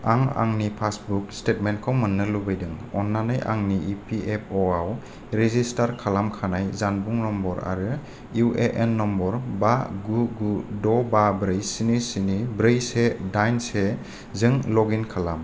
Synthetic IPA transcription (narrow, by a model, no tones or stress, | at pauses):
aŋa̰ŋnipʰasbuk̚stetmentkʰɔwmɯnːɯlubɯjdɯŋɔnːanɯjʔa̰ŋniipʰiʔepʰɔaw | ɾezistaɾkʰalamkʰanajzanbuŋnɔmbɔɾa̰ɾɯ | juʔeʔenːɔmbɔɾbaɡuɡudɔbabɾɯjsinisinibɾɯjsedajnse | zɯŋlɔɡinkʰalam